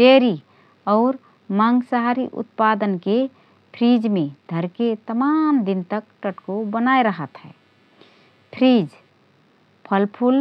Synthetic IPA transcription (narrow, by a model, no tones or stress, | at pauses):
deɾi | ɔːɾ | maŋɡsaɦaɾiʔʊ̰t̪̚pad̪ənke | pʰɾid͡ʒmẽd̪ʱəɾket̪əmamd̪int̪əkʈəʈkobənaeɾəɦət̪ɦɛ̰ː | pʰɾid͡ʒ | pʰəlpʰul